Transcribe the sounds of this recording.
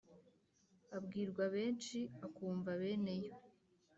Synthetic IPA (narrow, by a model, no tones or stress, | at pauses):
abɡiːɾɡwaβe̞ːnt͡ʃiakuːɱvaβe̞ːne̞jo